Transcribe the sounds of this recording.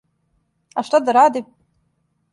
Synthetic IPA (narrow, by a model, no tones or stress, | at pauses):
ʔaʃt̪ˤɑd̪ˤɨɾˤʕad̪ɪb̚